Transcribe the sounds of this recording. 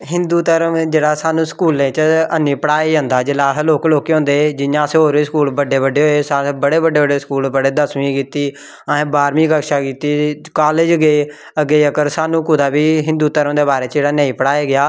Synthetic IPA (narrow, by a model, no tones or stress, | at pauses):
ɦɪnd̪uːt̪əɾəmd͡ʒeːɽaːsaːnũːskuːlẽːt͡ʃəənĩːpəɽaːiːõːnd̪aːd͡ʒɪlaːɦloːkloːkeːɦõːnd̪eːd͡ʒɪjãːsẽːɦoːɾiːskuːlbəɖːeːbəɖeːɦoːeːsãːbəɽeːbəɖeːbəɖeːskuːlbəɽeːd̪əsmĩːkiːt̪iː | aẽːbaːɾmĩːkəkʃaːkiːt̪iːkaːled͡ʒəɡeː | əɡeːəkəɾsaːnũːkʊd̪aːbiːɦɪ̃nd̪uːt̪əɾəmd̪eːbaːɾeːt͡ʃd͡ʒeːɽaːnə̃ːĩːpəɽaːeːɡɪjaː